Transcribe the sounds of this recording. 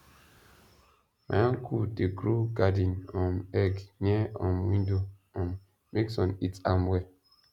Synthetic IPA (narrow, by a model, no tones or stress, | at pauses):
ma̰ãŋkʰudeɡɾuɡadĩnɔ̃mɛɡnɛɔ̃mwĩndo | ɔ̃mː | eksɔ̃nitamwɛ